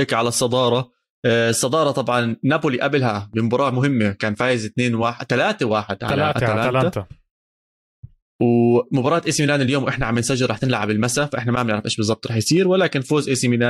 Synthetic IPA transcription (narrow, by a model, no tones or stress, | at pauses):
ɪkʕalasˤːɑd̪ˤɑːɾˤɑ | sˤːɑd̪ˤɑːɾˤɑt̪ˤɑbʕɑnːapʊliʔablɦabɪmʊbɑːɾˤɑːʔmʊɦɪmːekaːnfaːjɪzɪt̪neːnwaːħt̪alaːt̪awaːħɪd̪ʕalːalaːat̪ | wmʊbɑɾˤɑːt̪ʔeːsiminaːniljoːmwʔɪħnaʕamːbːansaʒɪɾˤɑːħt̪ɪnlaʕabɪlmasafaʔɪħnamanɪʕɾɪfʔeːʃbɨzˤɑb̚t̪ˤɾˤɑːħjsˤiːɾwalaːkɪnfoːzʔeːsiminaː